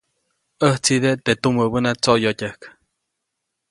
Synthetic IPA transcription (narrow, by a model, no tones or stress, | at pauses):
əht͡sid̪et̪et̪uməbənat͡soʔjotʲəhk